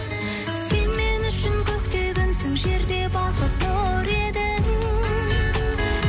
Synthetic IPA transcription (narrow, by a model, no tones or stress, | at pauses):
se̞nme̞nʏʃɪŋkʲʰɵkt̪e̞ɡʲensɪŋʒe̞ɾd̪e̞bɑqəp̪̚boɾe̞d̪ɪŋ